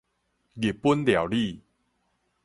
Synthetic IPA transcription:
ɡi˨˩pːu˦nlja˨˩wli˥˨

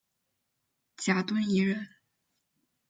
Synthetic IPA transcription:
t͡ɕja˧˥t̪wə˥ni˧˥ɻə˧˥n

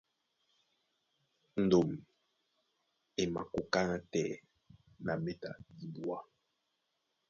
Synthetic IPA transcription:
n̩˨do˨m | e˨ma̰˨ko˦ka˦na˦tɛ˦˨ | na˨me˦ta˨di˦bwa˦

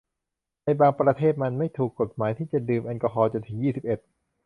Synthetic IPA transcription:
na˧jbaː˧ŋpɾa˧t̪ʰeː˥˩t̪̚ma˧nma˥˩jt̪ʰuː˨˩kːo˨˩t̪̚maː˩˦jt̪ʰiː˥˩t͡ɕa˨˩dɯː˧mʔa˧nkɔ˧ɦɔː˧t͡ɕo˧nt̪ʰɯ˩˦ŋjiː˥˩si˨˩p̚ʔe˨˩t̪̚

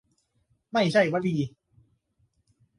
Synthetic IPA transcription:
ma˥˩jt͡ɕʰa˥˩jwa˦˥˩diː˧

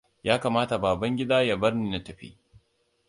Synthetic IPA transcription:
jaː˦kaː˨maː˦ta˨baː˨bɐ˦ŋɡʲɪ˦daː˦ja˨bɐ˦rniː˨na˦tɐ˨ɸḭː˦

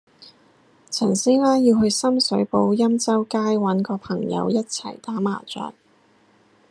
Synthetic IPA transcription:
t͡sʰɐ˨˩nsiː˥nlaː˥jiː˧wɦɵ˧ɥsɐ˥msɵ˨˥ɥpo˧wjɐ˥mt͡sɐ˥wkaː˥jwɐ˨˥nkɔː˧pʰɐ˨˩ŋjɐ̰˨˧wjɐ˥t̚t͡sʰɐ̰˨˩jt̪aː˨˥ma̰ː˨˩t͡ʃœ̰ː˨k̚

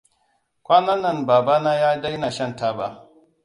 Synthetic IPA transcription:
kʷaː˦nɐ˦nːɐ˦˨nbaː˨ba˦naː˦jaː˦da˦jna˨ʃɐ˦˨nta˦ba˦ʔ

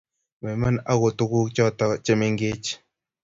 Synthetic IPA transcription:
mɛ˨ma˦na˦ko˨tu˦ku˦t͡ʃɔ˦tɔ˦t͡ʃɛ˦me˦ŋɡe˦t͡ʃ

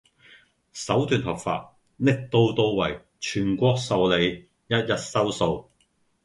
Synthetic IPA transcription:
sɐ˨˥wt̪yː˨˧nhɐ˨˩p̚fa̰ː˧t̚ | nɪ˥k̚t̪o˧wt̪o˧wwɐ˨˩j | t͡ʃʰyː˨˩nkʷɔː˧k̚sɐ˨wle˨˧j | jɐ˥t̚jɐ˥t̚sɐ˥wso˨˧w

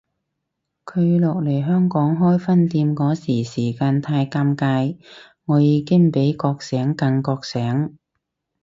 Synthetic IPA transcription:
kʰɵ˨˧ɥlɔː˨k̚le˨˩jɦœː˥ŋkɔː˨˥ŋɦɔː˥jfɐ˥nt̪iː˧mkɔː˨˥siː˨˩siː˨˩kaː˧nt̪ʰaː˧jkaː˧˥mkaː˧j | ŋɔː˨˧jiː˨˧kɪ˥ŋpe˨˥jkɔː˧k̚sɛː˨˥ŋkɐ˧ŋkɔː˧k̚sɛː˨˥ŋ

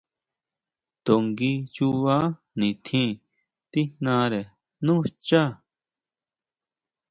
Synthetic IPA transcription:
t̪o˨ŋɡi˦t͡ʃuaː˦ | nĩ˨t̪ʰĩ˦ | t̪i˦nãː˧˦ɾe˨ | nũ˦st͡ʃa˦

